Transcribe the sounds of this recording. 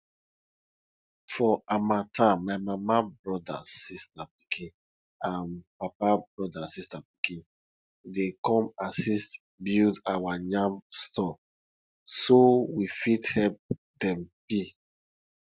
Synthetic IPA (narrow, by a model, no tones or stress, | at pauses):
fɔamatʰamaɪmamabɹɔda̰sistapi̥kʰĩn | ãnpapabɹɔdasistapi̥kĩn | dekɔ̃masist | bildawaɲãmstɔ | sowifithɛlp̚ | dɛ̃mbi